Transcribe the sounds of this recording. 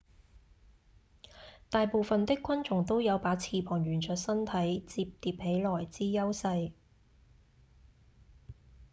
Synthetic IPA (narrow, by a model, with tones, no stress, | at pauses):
t̪aː˨jpo˨˧wfɐ˨nt̪ɪ˥kʷːwɐ˥nt͡ʃʊ˨˩ŋt̪o˥wjɐ˨˧wpaː˨˥t͡sʰiː˨˧pʰɔː˨˩ŋɥyː˨˩nt͡ʃʰœː˨˥t̚sɐ˥nt̪ʰɐ˨˥jt͡siː˧p̚t̪iː˧p̚he˨˥jlɔː˨˩jt͡siː˥jɐ˥wsɐ˧j